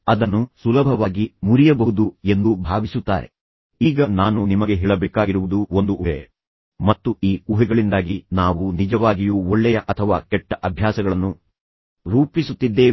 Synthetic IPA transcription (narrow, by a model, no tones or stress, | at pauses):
ɐd̪ɐnːusulɐbʱɐʋaːɡimuɾijɐbɐɦud̪ue̞nd̪ubʱaːʋisut̪ːa̰ːɾḛ | iːɡɐnaːnunimɐɡe̞ɦiɭɐbeːkaːɡiɾuʋud̪uo̞nd̪uʔuɦḛ | mɐt̪ːuiːuɦɛɡɐɭind̪aːɡinaːʋunid͡ʒɐʋaːɡijuoɭːɛjɐʔɐt̪ʰɐʋa̰ːkɛʈːɐʔɐbʱjaːsɐɡɐɭɐnːu | ɾuːpisut̪ːid̪ːe̞ː